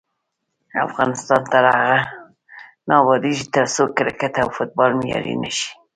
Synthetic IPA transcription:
a̰fɣɑnɪst̪ɑnt̪aɾaɣa | nɑbɑd̪iʒit̪əɾsokɪɾakat̪awfʊt̪̚bɑlmjɑ̰ɾḭnəʃi̥

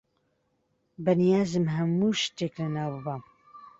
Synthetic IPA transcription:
bənijaːzɨmɦɛmːuːʃteːklɨnaːwbɨbam

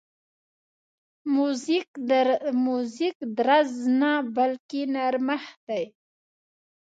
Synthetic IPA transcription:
muzikmuzikd̪ɾaznabalkenaɾmahd̪aj

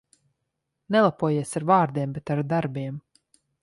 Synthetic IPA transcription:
nɛlˠapuɔjiɛsaɾvaːɾd̪iɛmbɛt̪aɾd̪aɾbiɛm

